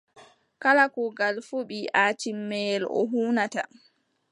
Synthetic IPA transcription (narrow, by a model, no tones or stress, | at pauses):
kalakɔɡalfuɓiʔaːtimːɛlɔ̰ɦuːnata